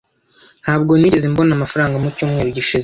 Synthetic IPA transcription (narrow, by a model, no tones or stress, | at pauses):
n̥haːbɡo̞niːɾezimbo̞namafaɾaːŋɡamucuːmŋe̞ːɾoɟiʃize